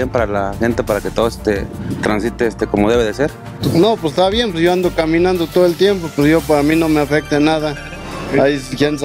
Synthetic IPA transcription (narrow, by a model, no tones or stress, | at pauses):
jempaɾalaxent̪epaɾaket̪oðoe̥st̪et̪ɾansit̪eest̪ekomoðeβeðeseɾ | nopest̪aβjempeɾjoand̪okamĩnãnd̪ot̪oðelt̪jempopeɾojopaɾaminomeafek̚t̪enaða | ajxen